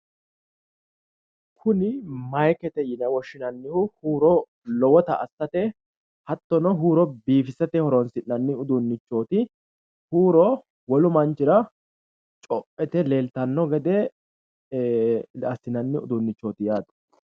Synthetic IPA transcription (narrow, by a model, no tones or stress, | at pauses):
kʰʊnɪmɐjkɛt̪ɛjɪnɐwɔʃːɪnɐnːɪhʊhuːɾɔ | lɔwɔt̪ɐɐsːɐt̪ɛ | hɐt̪ːɔnɔɦuːɾɔbiːfɪsɐt̪ɛhɔɾɔnsɪnːɐnːɪʊd̪ʊnːɪt͡ʃːo̞ːt̪ɪ | huːɾɔ | wɔlʊmɐnt͡ʃːɪɾɐ | t͡ʃʼɔpːɛt̪ɛleːlt̪ɐnːɔɡɛd̪ɛ | ɐsɪnɐnːɪʊd̪ʊnːɪt͡ʃːo̞ːt̪ɪjaːd̪ɐ̥